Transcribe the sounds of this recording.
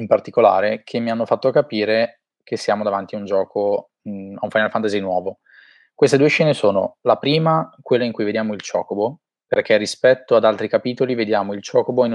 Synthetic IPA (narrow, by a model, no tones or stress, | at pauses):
impart̪ikola̰ːɾekʰemːianːofat̪ːokapiːɾe | kʰesːjaːmod̪avant̪iund͡ʒɔːko | aũɱfajnalfant̪azinwɔːvo | kwest̪ed̪uːeʃːɛːnesoːno̰lapɾiːmakwelːaiŋkujved̪jaːmoilt͡ʃɔ̰ːkobo | perkerːispɛt̪ːoad̪alt̪ɾikapiːt̪olived̪jaːmoilt͡ʃɔːkoboin